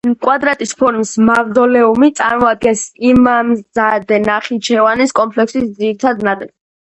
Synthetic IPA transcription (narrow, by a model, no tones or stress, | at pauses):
kʼwad̪ɾat̪ʼispʰɔɾmsmavd̪ɔlɛumit̪sʼaɾmɔad̪̚ɡɛnsimamzad̪ɛnaχit͡ʃʰɛvaniskʼɔmpʰlɛksisd̪ziɾit̪ʰad̪nat̪ʼlɛ